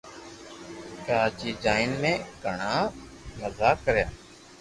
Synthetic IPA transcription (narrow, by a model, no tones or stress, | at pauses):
kəɾaːt͡ʃiːd͡ʒaːɪnmẽːɡʱəɳaː | məzaːkəɾjaː